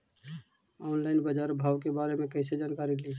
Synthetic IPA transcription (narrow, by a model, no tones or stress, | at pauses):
ɔːnlaɪnbəd͡ʒaːɾbʱaːwkebaːɾemẽkəɪsed͡ʒaːnkaːɾili